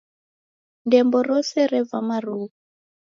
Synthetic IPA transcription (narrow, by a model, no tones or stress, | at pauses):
ndɛmbɔɾɔsɛɾɛvamaɾuːu